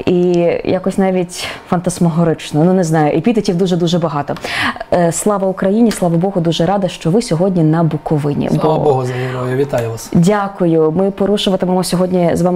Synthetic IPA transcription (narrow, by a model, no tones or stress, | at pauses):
ijakɔsʲnɑʋʲitʲfɐnt̪ɐsmɔɦɔɾɪt͡ʃnɔnunɛznɑjʊʔipʲid̪ɐtʲiwd̪uʒɛd̪uʒɛbɐɦɑt̪ɔ | slˠɑʋɐʊkɾɐjinʲislˠɑʋɐbɔɦʊd̪uʒɛɾɑd̪ɐʃt͡ʃɔʋɪsʲɔɦɔdʲnʲinɐbʊkɔʋɪnʲḭbˠɔɐbɔɦʊzɐnʲinɔjʊʋʲit̪ajʊʋasdʲakʊjʊmɪpɔɾuʃʊʋɐt̪emɔmɔsʲɔɦɔdʲnʲizʋɑm